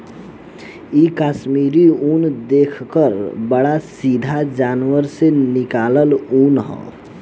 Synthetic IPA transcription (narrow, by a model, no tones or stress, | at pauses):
ikasmiɾiund̪ekʰkəɾbəɽasid̪ʱad͡ʒanwəɾsenikaləlunɦɔ̰